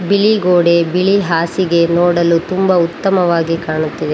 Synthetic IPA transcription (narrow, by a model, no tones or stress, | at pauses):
biɭiɡoːɽe̞biɭiɦaːsiɡe̞noːɽɐlut̪umbɐut̪ːɐmɐʋaːɡikaːɳut̪ːid̪e